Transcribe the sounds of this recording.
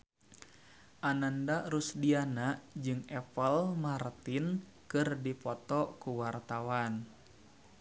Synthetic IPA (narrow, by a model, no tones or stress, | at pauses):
ʔanandarusdianaʔd͡ʒɨŋɛpəlmart̪in | kɨrdipɔt̪ɔkuwart̪awan